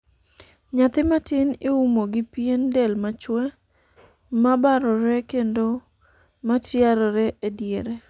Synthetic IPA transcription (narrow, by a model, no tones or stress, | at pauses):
ɲat̪ɪmatɪnɪumoɡɪpjendɛlmat͡ʃwɛ | mabaɾɔɾɛkendo | matjaɾɔɾɛʔedjeɾɛ